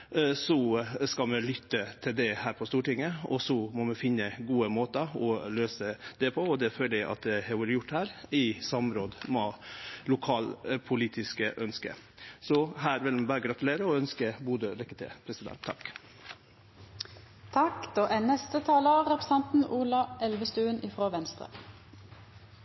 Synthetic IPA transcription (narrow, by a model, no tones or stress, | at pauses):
sɔskɑmɛlʏt̪ːət̪ʰɪld̪ɛhæːɾpʰɔst̪uːʈɪŋːəɔsɔmɔmɛfɪnːəɡuːəmoːt̪ɑɔløːsəd̪̥ɛpʰɔɔd̪ɛføːləæʔɑ̰t̪̚d̪ɛhɛʋuːɾəjʊʈːhæːɾɪsɑmɾoːd̪mɔlʊkʰɑːlpʰʊliːt̪ʰɪskəʔœnskə̰ | sɔhæːɾʋɪlmɛbɑːɾəɡɾɑt̪ʉleːɾəɔœnskəbuːd̪əɾɛkːət̪ʰɪ̰pʰɾɛsɪd̪ɛ̰nt̪ʰːɑ̰k | t̪ʰɑkd̪̥oːʔɛnɛst̪ət̪ʰɑːləɾɛpɾəsɑnt̪n̩uːlɑʔɛlʋəst̪ʉːənɪfɾoːʋɛnst̪ɾə̰